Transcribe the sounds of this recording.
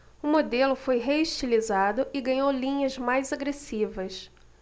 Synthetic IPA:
ʊmod̪elʊfojɦeiʃt͡ʃilizad̪ʊʔɪɡɐ̃ɲowlĩɲɐzmajzaɡɾesivɐs

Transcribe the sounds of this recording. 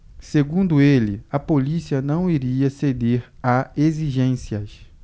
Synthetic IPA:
seɡũnd̪ʊelɪɐpolisiɐnɐ̃w̃iɾiɐsed̪eɾaeziʒẽsiɐs

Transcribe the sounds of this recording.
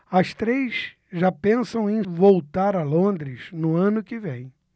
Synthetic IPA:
ɐst̪ɾejs | ʒapẽsɐ̃w̃ẽj̃vowt̪aɾɐlõnd̪ɾɪz̥nʊɐ̃nʊkɪvẽj̃

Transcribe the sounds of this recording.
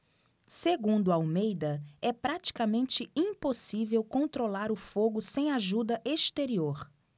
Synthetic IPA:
seɡũnd̪ʊaawmejd̪ɐɛpɾat͡ʃi̥kamẽnt͡ʃɪĩposivewkõnt̪ɾolaɾʊfoɡʊsẽj̃aʒud̪ɐʔest̪eɾioɾ

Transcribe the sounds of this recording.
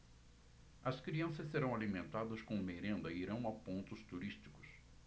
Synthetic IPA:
ɐskɾiɐ̃sɐsseɾɐ̃w̃alimẽnt̪ad̪ɐskõmeɾẽnd̪ɐiiɾɐ̃w̃ɐpõnt̪ʊst̪uɾist͡ʃi̥kʊ̥s

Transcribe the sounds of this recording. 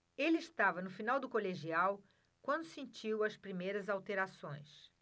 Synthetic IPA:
elɪɪʃt̪avɐnʊfinawd̪ʊkoleʒiaw | kwɐ̃nd̪ʊsẽnt͡ʃiwɐspɾimejɾɐzawt̪eɾasõj̃s

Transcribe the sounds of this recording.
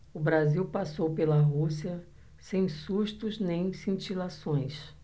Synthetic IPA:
ʊbɾaziwpasowpelɐɦusiɐ | sẽj̃suʃt̪ʊznẽj̃sĩt͡ʃilasõj̃s

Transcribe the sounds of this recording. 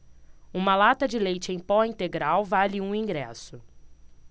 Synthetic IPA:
ũmɐlat̪ɐd͡ʒɪlejt͡ʃɪẽj̃pɔĩnt̪eɡɾawvaliũĩŋɡɾɛ̰sʊ

